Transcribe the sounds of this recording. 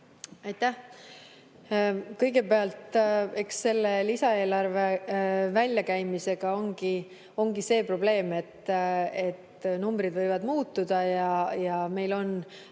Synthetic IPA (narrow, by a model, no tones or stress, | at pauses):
ɑjt̪ːæh | kɤjɡ̥e̞peɑlt̪e̞ksːe̞lːelisɑe̞ːlɑrve̞vælʲjɑkæjmise̞ɡ̥ɑo̞ŋɡ̥i | o̞ŋɡ̥ise̞ːpro̞b̥le̞ːme̞t̪ːe̞t̪numbɾid̪vɤjvɑd̪muːt̪ːˑud̪̥ɑjɑjɑme̞jlo̞n